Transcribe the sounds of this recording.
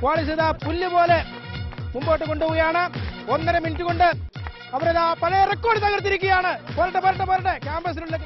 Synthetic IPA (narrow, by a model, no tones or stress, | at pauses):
koːɭis̬ɐðaːpulːɨpo̞ːle | mumboːʈːɨkoɳɖuʋuɣɐjaːɳɨonːɐɾemintːɨkoɳɖɨ | ɐʋɐɾɐðaːpɐɻɐjɐrekːoːɽɨt̪ɐɣɐrt̪̬ːiɾikʲːujaːɳɨkoːɾɐʈːɐpoːɾɐʈːɐpoːlɐʈːekjaːmbɐs̬iluɭːɐ